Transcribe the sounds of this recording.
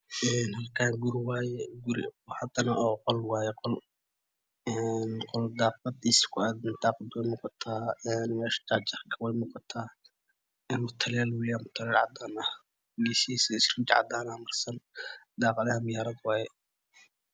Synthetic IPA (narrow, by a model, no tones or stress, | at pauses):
ʔɛnhɐlkʰaːɡʊɾɪwaːjɛɡʊɾɪ̰ɔːhɐd̪ɐnɐʔɔːqɔlwɑːjɛqɔl | ɛnqɔld̪ɑːq̚ɑd̪ɪskʰʊad̪ɪnd̪ɑːqɑd̪wɛjmuːqɑt̪ʰaːɛnmɛːʃt̪aːt͡ʃɐrkʰɐwɛjmuːqɑt̪ʰaː | ɛnmʊt̪ʰɐljaːlwɪlɪjamʊt̪ʰɐlɛːʕɑ̰d̪aːnɐ | ɡisisɛɪsrɪd͡ʒʕɑ̰d̪aːnɐmɐrsɐnd̪ɑːqɑðɐhɐmɪjaːɾɐd̪wɑːjɛ